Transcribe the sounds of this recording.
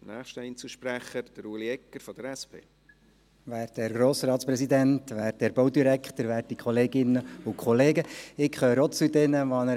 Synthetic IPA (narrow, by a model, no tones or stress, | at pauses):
næːχʃtɪnt͡suʃpɾæχəd̥əɾuliɛkːəɾfɔd̥əɾɛspʰḛː | ʋæːrteɾɡɾoːsɾɑːt̪spɾɛsid̪ɛnt̪ʋæːɾt̚dɛɾbɔwd̪iɾækχt̪əɾʋæːrtikʰχɔleːɡɪnːəʊkʰχɔleːɡəɪkχøːɾɔt͡sud̪ɛnəʋɑnə